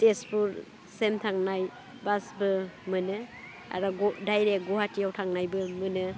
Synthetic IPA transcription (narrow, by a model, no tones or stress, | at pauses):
tespuɾ | semtʰaŋnaj | basbɯmɯnɯ | a̰ɾɔɡɔdajɾek̚ɡɔɦatijawtʰaŋnajbɯmɯnɯ